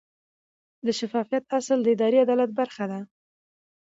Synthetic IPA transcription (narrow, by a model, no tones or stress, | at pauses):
d̪əʃafɑfijat̪asəld̪əɪd̪ɑɾiad̪ɑlat̪̚baɾxad̪a